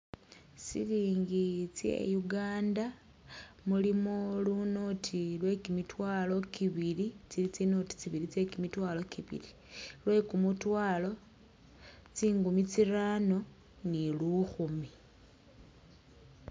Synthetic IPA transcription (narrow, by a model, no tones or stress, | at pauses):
sḭliːŋɡit͡sje̞̰juɡaːnda | mulimoluno̞tʰilwe̞kimitwaːlo̞kiβilit͡silit͡sino̞ti̥t͡siβilit͡se̞kimitwaːlo̞kiβḭli | lwe̞kumutwaːlo̞ | t͡siːŋɡumit͡sirano̞ | niluxumi